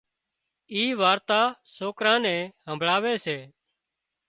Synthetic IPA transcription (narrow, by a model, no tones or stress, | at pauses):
iːʋaːɾt̪aːsoːkɾãːnɛ̃ːɦəmbʱɭaːʋeːseː